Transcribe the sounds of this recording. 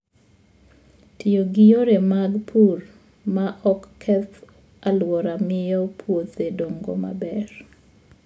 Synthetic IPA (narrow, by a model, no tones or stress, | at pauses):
tijoɡɪjoɾemaɡpʰur | maʔɔkːʰɛt̪ | alwɔɾamɪjɔpʰwot̪edoŋɡo̰ma̰bɛr